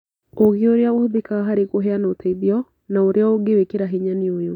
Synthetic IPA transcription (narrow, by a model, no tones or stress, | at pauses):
oɣeoɾeaɣohðekaɦaɾeɣoɦɛanaotʰaiðiɔ | naoɾʔeaoɡewekeɾaɦeɲaneojo